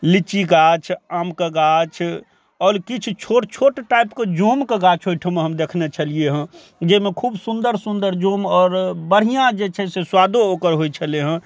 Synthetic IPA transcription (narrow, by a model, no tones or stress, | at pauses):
lit͡ʃiɡat͡ʃʰaːmkeɡat͡ʃʰ | ɔːɾkit͡ʃ̆ʰt͡ʃʰoʈt͡ʃʰoʈʈaɪpked͡ʒomkeɡat͡ʃɦoʈʰəmeɦəmd̪ekʰnet͡ʃʰəlieɦə̃ | d͡ʒemẽkʰuːbsund̪əɾsund̪əɾd͡ʒomɔːɾbəɽ̤ijãd͡ʒet͡ʃʰɛseswad̪ookəɾɦoit͡ʃʰəleɦə̃